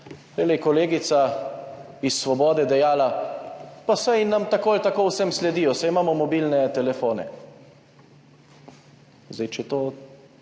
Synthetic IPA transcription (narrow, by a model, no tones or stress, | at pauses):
lɛlɛjkɔleːɡit̪sa | isːʋɔbɔːd̪ɛd̪ɛjaːla | pasajnamt̪akoːlt̪akoːwsɛmslɛd̪iːjɔsajmaːmɔmɔbiːlnɛt̪ɛlɛfoːnɛ̰ | zajt͡ʃɛt̪oː